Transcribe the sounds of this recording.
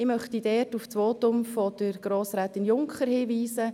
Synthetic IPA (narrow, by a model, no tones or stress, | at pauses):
ɪmœχtidɛːrtuft͡sʋoːtʊmfɔd̥əɾɡ̥ɾoːsɾɛːt̪ɪnjʊŋkχəɾhiːʋiːsə